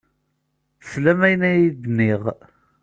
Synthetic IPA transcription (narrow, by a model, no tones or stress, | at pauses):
flæmæjənæjid̪niʁ